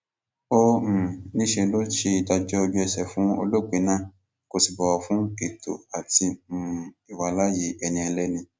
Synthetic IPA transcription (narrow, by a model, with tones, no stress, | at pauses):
o˦m̩˨nĩ˦ʃe˧lo˦ʃe˧i˧da˧d͡ʒɔ˦o˧d͡ʒu˦ɛ˧sɛ˨fũ˨˦o̰˧lo˦˨k͡pe˨˦nãː˦˨ | ko˧si˨bɔ˨wɔ˨fũ˨˦e˦˨to̰˨a˨ti˧m̩˨ | i˨wa˨˦la˦je˨˦ɛ˧nĩ˧ɛ˧lɛ˦nĩ˧